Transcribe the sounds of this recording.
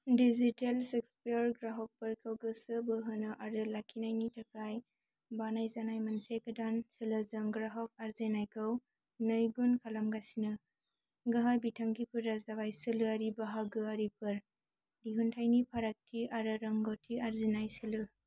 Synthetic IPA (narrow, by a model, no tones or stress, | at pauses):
dizitelsek̚spiɾɡɾaɦɔk̚bɐɾkʰawɡɯsɯbɯɦɯnɯʔaɾɯlakʰinajnitʰɐkʰaj | banajzanajmɐnsejkadansɯlɯzɐŋɡɾaɦɔk̚aɾzenajkʰaw | nɯjɡunkʰalamɡasinɯ | ɡɐɦabitʰaŋɡipʰɯɾazaβajsɯlɯaɾibaɦaɡɯaɾipʰɯɾ | diɦuntʰajnipʰaɾak̚tʰiaɾɯɾɐŋɡotʰiaɾzinajsɯlɯ